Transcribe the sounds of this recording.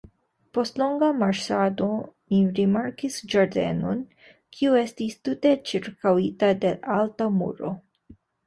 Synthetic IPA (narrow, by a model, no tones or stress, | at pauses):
po̞stlo̞ŋɡamaɾʃsado̞miɾimaɾkisd͡ʒaɾde̞̰no̞̰n | kʰiue̞stistute̞t͡ʃiɾkawitade̞ʔaltamṵɾo̞̰